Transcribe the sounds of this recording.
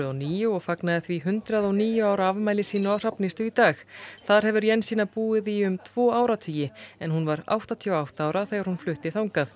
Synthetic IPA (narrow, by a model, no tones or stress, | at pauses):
ɔniːjʏɔɣfaknaðɪθviɦʏnt̪ɾaðɔɣniːjʏaːwɾaavmajlɪsiːnʏawr̥apnɪst̪ʏit̪aːxθaðɾ̥hɛvʏɾjɛnːsiːnapuːɪðiʏmt̪ʰv̥ɔːaːwɾat̪ʰyːjɪɛnhunvaɾa̰wht̪at̪ʰiɔwawht̪aaːwɾaθɛɣaɾhunflʏht̪ɪθawŋkaθ